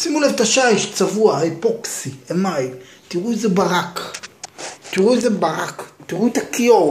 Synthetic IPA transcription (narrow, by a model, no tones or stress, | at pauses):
simulevt̪aʃaiʃt͡savuaipoksiemaj | t̪iʁuezebaʁak | t̪iʁuezebaʁaktiʁut̪akio